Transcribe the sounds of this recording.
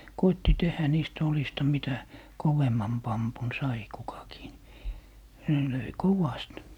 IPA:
koitːi tehæ niːstæ̆ olistɑ mitæ koʋemːɑn pɑmpun sɑi kukɑkiː ni ne løi koʋɑst

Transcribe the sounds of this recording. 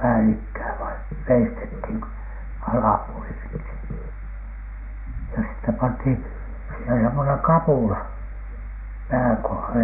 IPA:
pæːlikːæː ʋɑin̥ ʋeistethiˑn ko ɑlɑpuoli ensin jɑ sitːep pɑnthin siˑhen semːoneŋ kɑpuˑlɑ pæːŋ kohɑle

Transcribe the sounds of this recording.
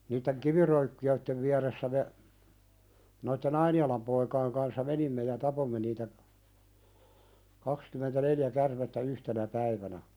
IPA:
niːtːeŋ kiʋirøykːiøitːeʋ ʋiæresːæ me noitːen ɑiniɑlɑm poikɑiŋ kɑnsːɑ menimːe jɑ tɑpomːe niːtæ kɑkskymentæneljæ kærmetːæ yhtenæ pæiʋænæ

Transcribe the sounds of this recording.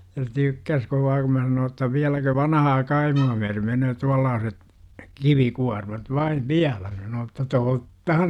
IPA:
se tykːæs koʋɑː kum mæ sɑnoː tːɑ ʋiælækø ʋɑnɑhɑː kɑimuɑ myære menøː tuɑlːɑːset kiʋikuɑrmɑt ʋɑiʋ ʋiælæ sɑnoː etːæ totːɑhɑn

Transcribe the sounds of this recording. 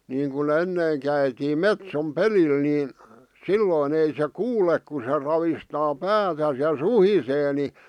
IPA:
niːŋkun enːeˑĭŋ kæitiːm metsom pelil niˑn silːoˑĭn ei se kuːlek ku se rɑʋistɑː pæːtæs jɑ suhiseː ni

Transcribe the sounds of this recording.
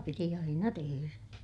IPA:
piti ɑinɑ teheræ

